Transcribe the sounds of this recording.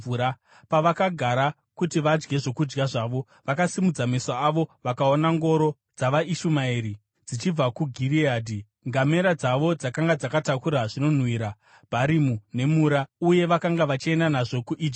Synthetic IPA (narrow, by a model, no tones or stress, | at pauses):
uɾa | paʋakaɡʱaɾa | kutiʋad͡ʒɡe̞ʐo̞kud͡ʒɡaʐaːʋo̞ | ʋakasimud͡zamesaːʋo̞ʋakaonaŋɡo̞ɾo̞ | d͡zaʋaiʃumaeɾi | d͡zit͡ʃib͡vakuɡʱiriaːdʱi | ŋɡame̞ɾad͡zaʋo̞d͡zakaŋɡad͡zakatakuɾaʐino̞n̤wiːɾa | b̥ʱaɾimune̞muɾauje̞ʋakaŋɡaʋat͡ʃie̞ndanaʐo̞kuʔid͡ʒi